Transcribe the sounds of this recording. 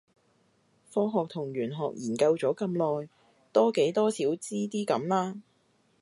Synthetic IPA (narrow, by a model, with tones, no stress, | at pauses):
fɔː˧˥ɦɔː˨k̚t̪ʰʊ˨˩ŋɥyː˨˩nɦɔː˨k̚jʔiː˨˩nkɐ˧wt͡sɔː˨˥kɐ˧mlɔː˨j | t̪ɔː˥ke˨˥jt̪ɔː˥siː˨˥wt͡siː˥t̪iː˥kɐ˨˥mlaː˥